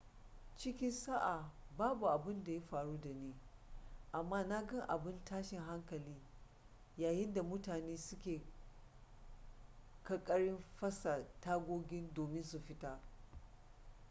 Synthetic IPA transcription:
t͡ʃɪ˦kʲɪ˦nsa˦ʔa˨baː˦bu˨ʔa˨bɪ˦nda˨ja˦ɸaː˨ɽuː˦da˨neː˦ | ʔa˨mːaː˦na˦ɡɐ˦ŋʔa̰˨bɪ˦ntaː˦ʃɪ˨ŋɦa˦ŋkɐ˨liː˦ | jaː˨jɪ˦nda˨mʊ˦taː˨neː˦sʊ˦kʲeː˨ | kɐ˨kʼɐ˦ɽɪ˦mɸɐ˦sa˨taː˦ɡʷoː˦ɡʲɪ˦ndoː˨mɪ˦nsu˨ɸɪ˦taː˨

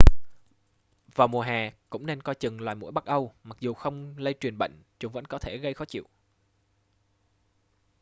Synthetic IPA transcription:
vaː˨˩wmu˨˩əɦaː˨˩kʊ̰˧˥ŋ͡mne˧nkɔ˧jt͡ɕɨ˨˩ŋlwaː˨˩jmu˧˥jɓa˦˥k̚ʔə˧wma˨˩k̚zu˨˩xə˧wŋ͡mlə˧jt͡ɕwi˨˩ənɓə̰˧˨jŋ̟t͡ɕʊ˨˦ŋ͡mvə̰˧˥nkɔ˨˦t̪ʰe˧˩ɣə˧jxɔ˨˦t͡ɕḭ˧˨w

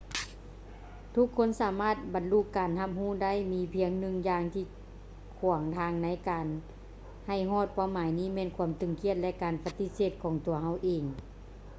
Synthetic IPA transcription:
t̪ʰu˧˥kʰːo˧˥˨nsaː˨˦maː˧˥˩t̪̚ba˨nlu˧˩kːaː˨˩nha˧˥p̚huː˧˥˨da˥˨jmiː˧pʰi˧əŋnɯ˧˥ŋjaː˧ŋt̪ʰiː˧˩ | kʰu˨˩əŋt̪ʰaː˧˥ŋna˧˥jkaː˨˩n | ha˧˩jɦɔː˧˥˩t̪̚paː˧˩wmaː˨˦jniː˧˥˩mɛː˧˥˨nkʰu˧əmt̪ɯ˨˩ŋkʰi˧˥ət̪̚lɛ˧ʔkaː˨˩npa˧t̪i˧˥seː˧˩t̪̚kʰɔː˨˩˦ŋt̪u˨˩ɐɦa˧˥˩wʔeː˨˩ŋ

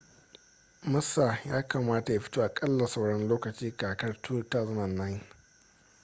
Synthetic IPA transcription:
mʊ˦sa˨jaː˦ka˨maː˦ta˨ja˨ɸɪ̥˦tuː˦ʔa˨kʼɐ˦lːa˨sa˦˨wɽɐ˦nloː˦kɐ˨t͡ʃiː˦kaː˨kɐ˦rtʰu˦taː˦zɐ˦nɐ˨nːa˦j

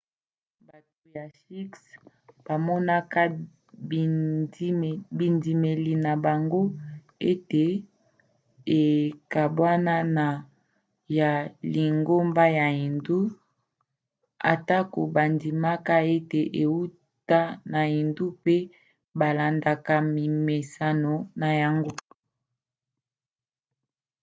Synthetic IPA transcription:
ba˨t̚o˨ja˨ʃi˦ks | b̥a˨mɔ˦na˦ka˦˨˦ | bi˨ndi˨me˨li˨na˨ba˨ŋɡo˦ | e˦te˨ | e˨ka˨bwa˦na˦na˨ | ja˨li˨ŋɡo˦mba˦ja˨i˨ndu˦ | a̰˨ta˦ko˨ba˨ndi˨ma˦ka˦e˦te˨ʔe˨wu˦ | ta˦na˨i˨ndu˦pe˦ | ba˨la˨nda˨ka˨mi˨me˨sa˦no˨na˨ja˨ŋɡo˦

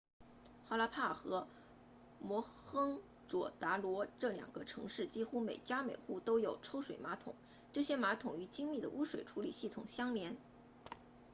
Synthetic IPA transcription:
xa˥˩la˧˥pʰa˥˩xɤ˧˥ | mwɔ˧˥xɤ˥ŋ | ʈ͡ʂwɔ̰˨˩t̪a˧˥lwɔ˧˥ʈ͡ʂɤ˥˩ljɑ̰˨˩ŋɡ̥ə˦ʈ͡ʂʰɤ̰˧˥ŋʂɻ̩˥˩t͡ɕi˥xu˥me˨˩ɪt͡ɕja˥me˨˩ɪxu˥˩t̪o˥ʊjo˨˩ʊʈ͡ʂʰo˥ʊʂwe˨˩ɪma˧˥t̪ʰʊ̰˨˩˦ŋ | ʈ͡ʂɤ˥˩ɕjɛ˥ma˧˥t̪ʰʊ˨˩ŋy˧˥t͡ɕi˥ŋli˥˩d̪ə˩ʔu˥ʂwe˨˩ɪʈ͡ʂʰu˧˥li˨˩ɕi˥˩t̪ʰʊ̰˨˩ŋɕjɑ˥ŋljɛ˧˥n

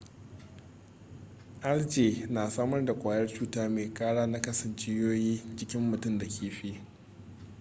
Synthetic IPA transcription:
ʔa˦ld͡ʒeː˨naː˨saː˦mɐ˦rda˨kʷʼaː˨jɐ˦rt͡ʃuː˦taː˦meː˨kʼaː˦ɽaː˦na˦kɐ˦sɐ˨nt͡ʃe˦joː˦jiː˦d͡ʒɪ˦kʲɪ˦mːʊ˨tʊ˦nda˨kʲʰeː˨ɸi˦

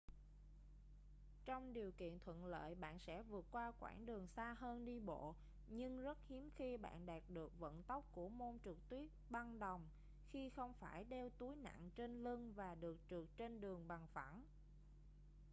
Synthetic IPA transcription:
t͡ɕɔ˧wŋ͡mɗi˨˩əwkḭ˧˨ənt̪ʰwə̰˧˨nlə̰ː˧˨jɓa̰ː˧˨nsɛ̰˧˥vɨ˨˩ət̚kwaː˧kwa̰ː˧˩nɗɨ˨˩əŋsaː˧ɦəː˧nɗi˧ɓo̰˧˨ | ɲɨ˧ŋzə˦˥t̚hi˨˦əmxi˧ɓa̰ː˧˨nɗaː˨˩t̚ɗɨ˨˩ək̚və̰˧˨nt̪ə˦˥wk͡p̚ku˧˩əmo˧nt͡ɕɨ˨˩k̚t̪wi˦˥ət̚ɓa˧nɗə˨˩wŋ͡m | xi˧xə˧wŋ͡mfaː˧˩jɗɛ˧wt̪u˨˦jna̰˧˨ŋt͡ɕe˧nlɨ˧ŋvaː˨˩ɗɨ˨˩ək̚t͡ɕɨ˨˩ək̚t͡ɕe˧nɗɨ˨˩əŋɓa˨˩ŋfa˧˩n

